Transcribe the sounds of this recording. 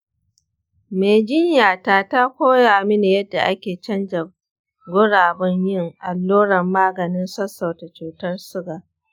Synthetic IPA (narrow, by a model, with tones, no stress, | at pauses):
meː˨d͡ʒɪ˦ɲjaː˨taː˦˨ta˦kʷoː˦jaː˨mɪ˦ne˨jɐ˦dːa˨ʔa˦kʲeː˨t͡ʃɐ˦nd͡ʒɐ˨ | ɡʷʊ˦ɽaː˨bɐ˦ɲjɪ˦˨ŋʔa˨lːoː˦ɽɐ˨mːaː˦ɡɐ˨nɪ˦nsɐ˦sɐ˨ta˨t͡ʃuː˨tɐ˦rsʊ˦ɡaː˨ʔ